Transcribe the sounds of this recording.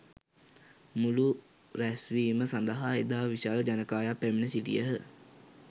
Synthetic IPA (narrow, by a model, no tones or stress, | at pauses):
mulu | ɾæsʋiːməsand̪əɦaed̪aːʋiʃaːləd͡ʑanəkaːjapːæminəsiʈḭjəɦə